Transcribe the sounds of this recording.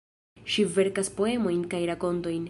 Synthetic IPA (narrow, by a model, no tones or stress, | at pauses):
ʃive̞ɾkaspo̞e̞mo̞jnkajɾako̞nto̞jn